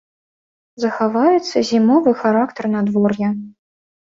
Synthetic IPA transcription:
zɐxavajɛt̪sːɐzʲimɔvɨxaɾakt̪ɐrnad̪vɔrjɐ

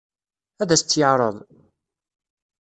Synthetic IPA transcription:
æðæst͡s̪ːjəʕɾˤə̰ðˤ

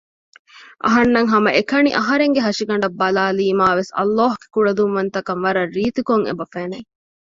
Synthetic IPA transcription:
ʔɐ̰ɦɐnːɐŋɦɐmɐʔekɐnḭʔɐɦɐɾeŋɡeɦɐʂiɡɐɳ̆ɖɐbːɐlaːliːmaːʋesɐ̰lːaːɦuɡ̥e̥kuɽɐd̪umʋɐnt̪ɐkɐnʋɐɾɐrːiːt̪ikoŋḛbɐfeːnɐj

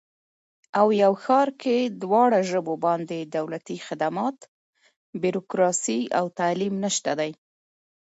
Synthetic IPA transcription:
awjawxɑɾked̪wɑɽaʒəbobɑnd̪ed̪awlat̪ixɪd̪amɑt̪ | biɾokɾɑsia̰wt̪alimnəʃt̪ad̪aj

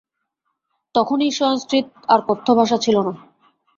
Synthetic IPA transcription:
t̪ɔkʰoniʃɔoŋskɾit̪̚ | aɾkot̪ʰːobʱaʃ̬at͡ɕʰilona

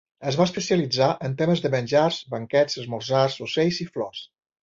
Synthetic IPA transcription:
əzβaəspəsiəlid͡zaʔənt̪eməzðəmənʲʒarzbəŋkɛd͡zz̥əzmurzasusejziflɔs

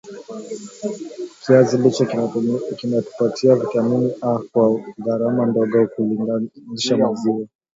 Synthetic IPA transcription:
kʰiazilit͡ʃakinatu̥patʰiavitaminiʔakwaɣaɾamandɔɠɔkuɡaniʃamazia

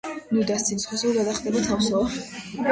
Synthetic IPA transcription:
nud̪ast̪sʰinisχɔsɛlɡad̪aχd̪ɛbat̪ʰafsɔ

